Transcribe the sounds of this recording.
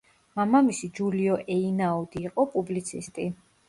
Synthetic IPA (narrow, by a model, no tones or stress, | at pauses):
mamamisid͡ʒuliɔʔɛinaɔd̪iːqʼɔpʼublit̪sʰist̪ʼi